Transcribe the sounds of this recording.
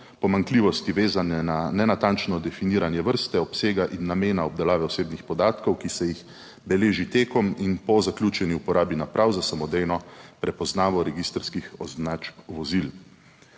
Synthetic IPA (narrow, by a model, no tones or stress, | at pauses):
pɔmaŋkliːʋɔst̪iʋeːzanɛnanɛnat̪ant͡ʃnɔd̪ɛfiniːɾanjɛʋəɾst̪ɛɔpseːɡaʔinːameːnaɔb̚d̪ɛlaːʋɛɔseːbnixpɔd̪aːt̪kɔwkisɛjix | bɛleːʒit̪eːkɔminpɔzaklʲjuːt͡ʃɛniupɔɾʔaːbinapɾʔawzasamɔd̪ejnɔpɾɛpɔznaːʋɔɾɛɡist̪ɾskixɔznat͡ʃʋɔzil